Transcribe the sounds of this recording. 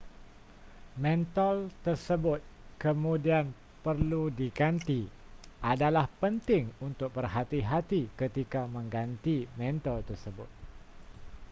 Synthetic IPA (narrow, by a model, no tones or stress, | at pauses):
mɛ̃nt̪ɔlt̪ərsəbʊt̪̚kəmũdian | pərludiɡant̪i | ʔadalahpənt̪ɪŋunt̪ʊk̚bərɦat̪iɦat̪ikət̪ikamə̃ŋɡant̪imɛ̃nt̪ɔlt̪ərsəbʊ̰t̪̚